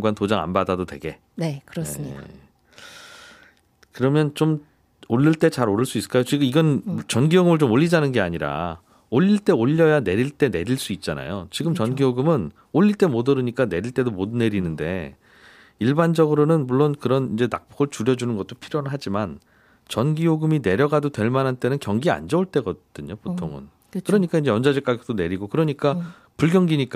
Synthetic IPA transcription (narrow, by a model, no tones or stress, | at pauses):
ŋɡwantod͡ʑaŋa̰nbadadotwe̞̰ɡe̞̰ | nekɯɾʌsjeia | kɯɾʌmjʌnt͡ɕom | oʎːiɭt͈e̞t͡ɕaɾoɾɯɭs͈uis͈ɯ̥k͈ajot͡ɕiɡɯmiɡʌnt͡ɕʌnɡioɡɯmɯɭt͡ɕomoʎːid͡ʑanɯnɡe̞aɲiɾa̰ | oʎːiɭt͈e̞oʎːʌjane̞ɾiɭt͈e̞ne̞ɾiɭs͈uit̚t͡ɕ͈ana̰jot͡ɕiɡɯmt͡ɕʌnɡioɡɯmɯn | oʎːiɭt͈e̞modɯɾɯɲik͈ane̞ɾiɭt͈e̞domodune̞ɾinɯnde̞̰ | iɭband͡ʑʌɡɯɾonɯnmuɭːonkɯɾʌnind͡ʑe̞na̰k̚p͈oɡɯɭt͡ɕuɾjʌd͡ʑunɯnɡʌt̚t͈opʰiɾjonɯɭɦad͡ʑiman | t͡ɕʌnɡioɡɯmine̞ɾjʌɡadotwe̞ɭmanɦant͈e̞nɯnkjʌŋɡia̰nd͡ʑʌuɭt͈e̞ɡʌd̥ɯɲopotʰoŋɯ̰n | kɯɾʌɲik͈aind͡ʑeʌnd͡ʑad͡ʑik͈aɡit͈one̞ɾiɡokɯɾʌɲik͈a | puɭɡjʌŋɡiɲik͈